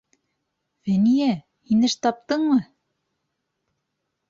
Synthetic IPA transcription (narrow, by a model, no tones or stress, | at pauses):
vænijæ | hinɘʃt̪ɑp̚t̪ɤɴmɤ